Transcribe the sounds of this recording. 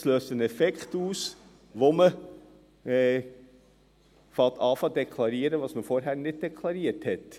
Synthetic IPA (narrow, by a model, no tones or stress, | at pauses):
sløːstənɛfɛktuːs | ʋomə | ɛ | fɑt̪ɑːfɑdɛkχlɑɾiːəɾəʋɑːsməfɔɾɦæːɾnɪd̚dɛkʰlɑɾiəthɛt